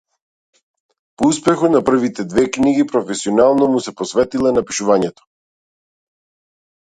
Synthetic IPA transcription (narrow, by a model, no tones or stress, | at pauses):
pouspɛxɔt̪napr̩vit̪ɛd̪vɛkniɡipɾɔfɛsiɔnalˠnɔmusɛpɔsvɛt̪ilˠanapiʃuvaɲɛt̪ɔ̥